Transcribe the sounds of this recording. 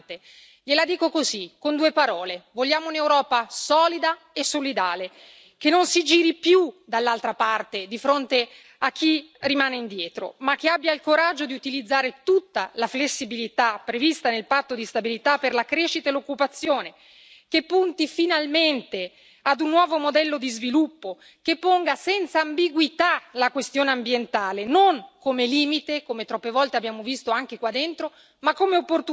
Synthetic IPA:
t̪e | ʎelad̪iːkokozikːond̪uːepaɾɔːlevoʎːaːmounewɾɔːpasɔːlid̪a | esolid̪aːle | kenːonsid͡ʒiːɾipjud̪alːalt̪ɾapart̪ed̪ifɾont̪e | ak̟ːirimaːneind̪jɛːt̪ɾo̰mak̟ːeabːjailkoɾad͡ʒːod̪iut̪ilid̪zːaːɾet̪ut̪ːalaflesːibilit̪apːɾevist̪anelpat̪ːod̪ist̪abilit̪apːerlakɾeʃit̪aelokːupat̪sːjoːne | kepːunt̪ifinalment̪e | ad̪unːwɔːvomod̪ɛlːod̪izvilupːo | kepːoŋɡasɛnt̪saːmbiɡwit̪alakwest̪joːneambjent̪aːlenoŋkomeliːmit̪ekomet̪ɾɔpːevɔlt̪eabːjaːmovist̪oaŋk̟ekwad̪ːent̪ɾo | makːomeopːort̪u

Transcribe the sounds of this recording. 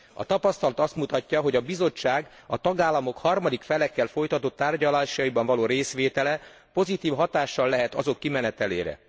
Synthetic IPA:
ɒ̰t̪ɒpɒst̪ɒlɒt̪ɒst̪mut̪ɒcːɒɦo̞ɟɒbizo̞t͡ʃːaːɡ | ɒt̪ɒɡaːlːɒmo̞khɒrmɒd̪ikfɛlɛkːɛlfo̞jt̪ɒt̪ot̪ːaːrɟɒlaːʃɒjibɒɱvɒloːɾeːsʋeːt̪ɛlɛ | po̞zit̪iːfɦɒt̪aːʃːɒlːɛɦɛt̪ɒzo̞kːimɛnɛt̪ɛlḛːɾɛ̰

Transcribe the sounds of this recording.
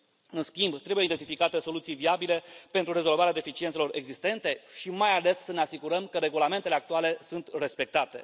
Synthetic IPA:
ɨnskʲimbt̪ɾe̞bujeid̪e̞nt̪ifikat̪e̞so̞lut̪sijviabilepent̪ɾuɾe̞zo̞lvaɾead̪efit͡ʃient̪selo̞ɾe̞ɡzist̪e̞nt̪e̞ʃimajale̞sːəne̞asiɡuɾəmkəɾe̞ɡulame̞nt̪e̞le̞ak̚t̪uale̞sunt̪re̞spe̞k̚t̪at̪e̞̰

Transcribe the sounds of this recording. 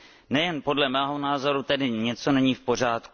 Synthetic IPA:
nɛjɛnpo̞dlɛmɛːɦo̞naːzo̞ɾut̪ɛdɪɲɛt͡so̞nɛɲiːfpo̞r̝aːt̪ku

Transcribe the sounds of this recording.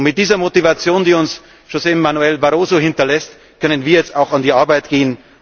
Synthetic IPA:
mɪt̚d̥iːzɐmotivat͡sjoːndiːʊns | ʃozeɪmːanuɛlbaʁoːzohɪntɐlɛst | kʰœnənviːɐjɛt͡staʊxandiːʔaɐbaɪtɡ̥eːən

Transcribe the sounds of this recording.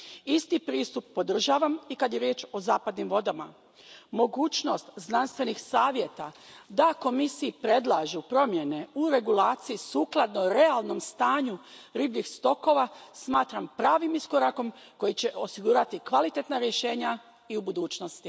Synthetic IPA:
ist̪ipɾiːst̪upːo̞d̪r̩ʒaːʋamikad̪jeɾjeːt͡ʃo̞zaːpad̪nimʋo̞d̪ama | mo̞ɡuːt͡ʃno̞st̪znanst̪ʋe̞nixsaːʋje̞t̪ad̪ako̞misiipɾe̞d̪lˠaʒupɾo̞mje̞ne̞uɾe̞ɡulaːt̪sijisuːklˠad̪noɾealˠno̞mst̪aːɲuɾiːbʎixst̪o̞ko̞ʋasmaːt̪ɾampɾaːʋimisko̞ɾako̞m | ko̞jit͡ɕe̞ʔo̞siɡuːɾat̪ikʋalit̪e̞t̪naɾje̞ʃe̞ːɲa | iubud̪uːt͡ʃno̞st̪i

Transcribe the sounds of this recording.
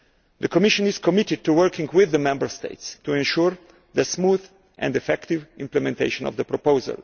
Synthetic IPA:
d̪əkʰɔmɪʃɔ̃nɪskɔmɪtɪd̚t̪uwəɹkʰɪ̃ŋɡwɪðːəmɛ̃mbəɹst̪ḛɪtstuɛ̃nʃuɹ | ðəsmuð | ʔɛ̰̃ndɛfɛktivɪ̃mplɛmɛ̃nt̪eɪʃɔ̃nɔ̰vd̪əpɾɔpozə̰l

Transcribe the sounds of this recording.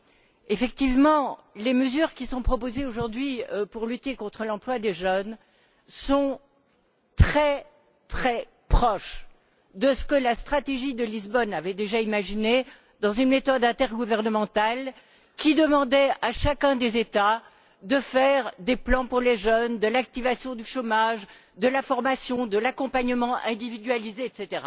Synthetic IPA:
efɛk̚t̪ivmɑ̃leməzyʁkʲisɔ̃pχɔpozeoʒuʁd̪ɥipuʁlyt̪ekɔ̃t̪χəlɑ̃plwad̪eʒən | sɔ̃ | t̪χɛ | t̪χɛ | pχɔʃ | d̪əsə̥kəlast̪χat̪eʒid̪əlizbɔnavɛd̪eʒaimaʒine | d̪ɑ̃zynmet̪ɔd̪ɛ̃t̪ɛʁɡuvɛʁnəmɑ̃t̪al | kʲid̪əmɑ̃d̪ɛaʃakʲɛ̃d̪ezet̪a | d̪əfɛʁd̪eplɑ̃puʁleʒənd̪əlak̚t̪ivasjɔ̃d̪yʃomaʒ | d̪əlafɔʁmasjɔ̃d̪əlakɔ̃paɲəmɑ̃ʔɛ̃d̪ivid̪ɥalizeɛt̪set̪eʁa̰

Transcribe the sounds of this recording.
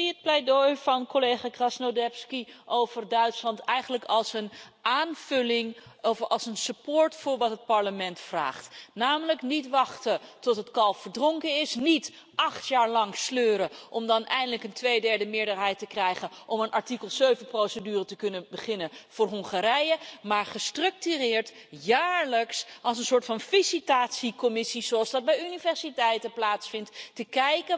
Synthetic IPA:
iət̚plɛjdojvɑnkolejχaːɡrɑsnodɛpskiʔowvərdœɥtslɑntɛjχəndləkɑlˠsənʔaːnvɵlɪŋ | ɑlˠsənsypʊːɹtfʊːɹʋɑtɦət̚pɑɹləmɛntfra̰ːχtnaːmələknitʋɑχtətɔtɦətkɑlˠfəɹdrɔŋkəɪsnit | ʔɑχtjaːɹlɑŋsløːɾəʔɔmdɑnʔɛjndələkəntʋejdɛɹdəmɪːɹdəɹɦɛjtəkrɛjχənʔɔmənʔɑɹtikəlˠzøɥvənprowsədyːrətəkɵnəbəχɪnənv̥ʊːɹɦɔŋχaɾɛjəmaːɹχəstrɵk̚tyrɪːɹt | jaːɹləksɑlˠsənsʊːɹtfɑnfisitaːtsikɔmɪsizoɑlˠzdɑd̚bɛjynivɛɹsitɛjtəplaːtsfɪntːəkɛjkə

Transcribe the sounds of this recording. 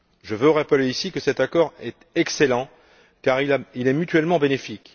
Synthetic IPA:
ʒəvøʁapəleisikəsɛt̪akɔʁɛt̪ɛkselɑ̃ | kaʁilailɛmyt̪ɥɛlmɑ̃benefik

